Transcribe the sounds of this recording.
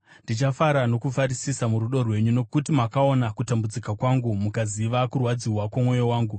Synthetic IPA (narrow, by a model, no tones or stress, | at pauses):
ndit͡ʃafaɾano̞kufaɾisisamuɾuɗo̞rwe̞ɲuno̞kutimakao̞nakutambud͡zikakwaŋɡumukaziʋakurwad͡ziwakwamwo̞jowaːŋɡu